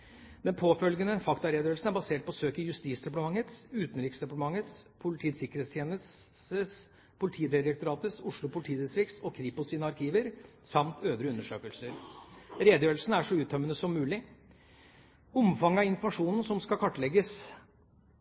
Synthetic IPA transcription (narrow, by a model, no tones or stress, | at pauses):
d̪ɛnpʰoːfœlɡənəfɑkt̪ɑɾeːd̪əjøːɾlsn̩æbɑseːʈ̚pʰɔsøːkəjʉst̪iːsd̪ɛpɑʈ̪əmɑŋːət̪sʉːt̪n̩ɾiːksd̪ɛpɑʈəmɑŋːət̪spʰʊlɪt̪ʰiːt̪sɪkːəɾheːt̪st̪ʰjeːnəs | əs | pʰʊlɪt̪ʰiːd̪ɪɾək̚t̪ʊɾɑːt̪əsʊʂlʊpʰʊlɪt̪ʰiːd̪ɪst̪ɾɪksɔkʰɾipʊsiːnəɑɾkʰiːʋəɾ | sɑmt̪ʰøːd̪ɾəʉnːəʂø̰ːkəlsəɾɾeːd̪əjøːəlsn̩æʂɔʉːt̪̚d̪œmːənəsɔmːʉːlɪ | ɔmfɑŋːɑɪnfmɑʂuːnn̩sɔmskɑkʰɑʈːɭɛɡəs